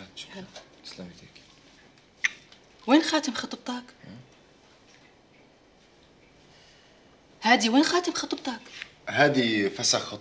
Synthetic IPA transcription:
t̪slamit̪ik | weːnxaːt̪əmxɑt̪ˤb̚t̪ˤɑk | hæːd̪iweːnxaːt̪əmxɑt̪ˤb̚t̪ˤɑk | had̪ifasaxɑt̪ˤ

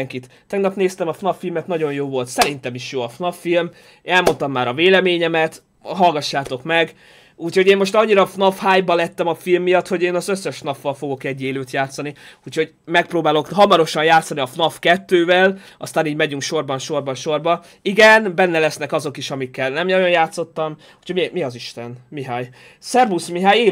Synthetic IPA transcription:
ŋkit̪ːɛɡnɒpneːst̪ɛmɒfnɒfːilmɛt̪nɒɟo̞njoːvo̞lt̪sɛɾint̪ɛmiʃjoːɒfnɒfːilm | ɛlmo̞nt̪ɒmːaːɾɒveːlɛmeːɲɛmɛt̪ | ɦɒlɡɒʃːaːt̪o̞kmɛɡ | uːcho̞ɟeːmo̞ʃt̪ɒɲːiɾɒfnɒfhaːjbɒlɛt̪ːɛmɒfilmːijɒt̪ho̞ɟeːnɒzø̞sːɛʃnɒfːɒlfo̞ɡo̞kɛɟːeːløːt̪jaːt̪sɒniuːcʰho̞ɟ | mɛk̚proːbaːlo̞kɦɒmɒɾo̞ʃɒnjaːt̪sːɒniɒfnɒfkɛt̪ːøːvɛlɒst̪aːniːɟmɛɟyŋkʃo̞rbɒnʃo̞rbɒnʃo̞rbɒ | iɡɛnbɛnːɛlɛsnɛkɒzo̞kiʃɒmikːɛlnɛmjɒjonjaːt̪so̞t̪ːɒm | u̥ːcʰhomimiɒziʃt̪ɛnmiɦaːj | sɛrbusmiɦaːjeː

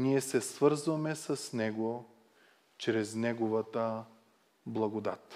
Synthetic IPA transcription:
niɛsɛsvɤɾzvɐmɛsɐsnɛɡo | t͡ʃɾɛznɛɡovət̪ə | blˠɐɡod̪a̰t̪

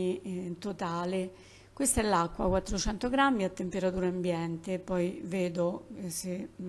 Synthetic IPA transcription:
it̪ot̪aːle | kwest̪aɛlːakːwa̰kwat̪ːɾot͡ʃɛnt̪oɡɾamːiat̪ːempeɾat̪uːɾaambjɛnt̪epːɔjveːd̪ose

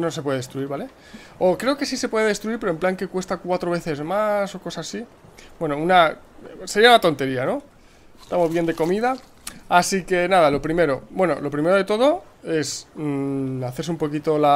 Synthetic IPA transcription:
no̞s̬epwe̞ðeest̪ɾuiɾβale̞ | o̞kɾe̞oke̞sise̞pwe̞ðeðe̞st̪ɾuiɾpe̞ɾoe̞mplaŋke̞kwe̞st̪akwat̪ɾoβe̞θe̞zmaso̞ko̞sasasi | bwe̞no̞unase̞ɾiaunat̪o̞nt̪e̞ɾiano̞ | est̪amo̞zβje̞nd̪e̞ko̞miða | asike̞naðalo̞pɾime̞ɾo̞bwe̞no̞̰lo̞pɾime̞ɾo̞ð̞e̞t̪o̞ðo̞ | e̞s | aθe̞ɾs̬eumpo̞kit̪ola

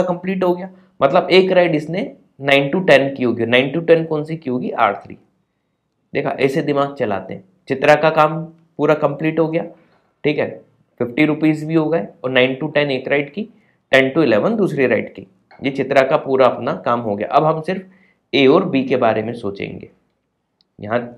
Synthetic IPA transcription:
akɐ̃mpliːʈɦoɡɐjaː | mɐt̪ləbeːkɾaɪɖɪsne | nãːɪ̃nʈuʈɛnkiɦoːɡionãːɪ̃nʈuʈɛnkɔ̃ːnsikiɦoːɡiʔa̰ːʈt̪ʰɾḭː | d̪eːkʰa̰ʔɛːsed̪ɪmaːɡ̚t͡ʃɐla̰ːt̪eɦɛ̃ | t͡ʃɪt̪ɾakakaːm | puːɾakɐ̃mpliːʈɦoɡɐjaː | ʈʰiːkɦɛ̰ː | fɪfʈiɾʊpiːzbʱiɦoɡɐeɔːɾnãːɪ̃nʈuʈɛneːkɾaːɪɖki | ʈɛ̃nʈuɪlɛːʋənd̪uːsɾiɾa̰ɪɖkḭ | jet͡ʃɪt̪ɾakapuːɾaɐpnakaːmɦoɡɐja̰ʔɐbɦɐmsɪɾf | eːɔːɾbiːkebaːɾemẽsoːt͡ʃḛ̃ːŋɡḛː | jɐ̰ɦã

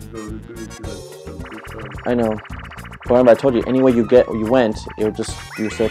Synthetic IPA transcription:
ʔaɪnoʊ | wʌɾɛ̃mbəaɪtʰoʊd͡ʒɨʔɛ̰niweɪjɨɡɛʔjɨwɛ̃ntɪ̰l̩ˠd͡ʒʌs | jɨsɛ

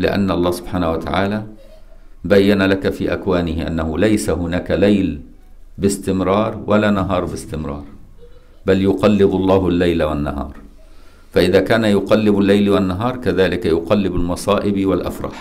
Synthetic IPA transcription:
lɪ̰ʔa̰nːʔɑlˤːɑːsʊb̥ħaːnahwat̪a̰ʕaːlaː | bajːanalakafiːʔakwaːnɪhɪʔa̰nːahʊlajsaɦʊnaːkalajl | bɪst̪ɪmɾɑːɾˤwʔalaːnaɦɑːɾˤbɪst̪ɪmɾˤɑ̰ːɾˤ | baljʊqɑlːɪbɑlˤːɑːɦlːajlawanːa̰ɦɑ̰ːɾˤ | faʔɪðaːkaːnajʊqɑlːɪbalːajlwanːaɦɑːɾˤkaðaːlɪkajʊqɑlːɪbɪlmɑsˤɑːʔɪbwalʔa̰fɾˤɑ̰ħ

